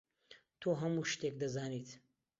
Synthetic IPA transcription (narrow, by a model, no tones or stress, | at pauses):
t̪ʰoːɦɐmuʃt̪ek̚d̪ɐzaːniːt̪